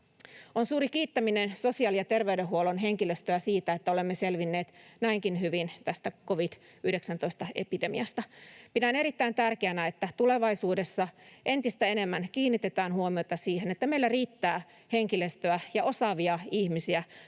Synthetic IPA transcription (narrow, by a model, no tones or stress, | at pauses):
onsuːɾikiːt̪ːæminenso̞siɑljɑt̪e̞rʋeydeɦuolonɦe̞ŋkiløst̪øæsiːt̪æet̪ːæolemːeselʋinːeːt̪næiŋkinhyʋint̪æst̪ækoʋid̪̥ | yhdeksænt̪oist̪ɑḛpidemḭɑst̪ɑpidæneɾit̪ːæint̪ærkeænæet̪ːæt̪ule̞ʋɑisuːdesːɑʔe̞nt̪ist̪æe̞nemːænkiːnːit̪et̪æːnhuomiot̪ɑsiːhenet̪ːæmeilːæriːt̪ːæː | he̞ŋkilest̪øæjɑo̞sɑʋiɑihmisiæ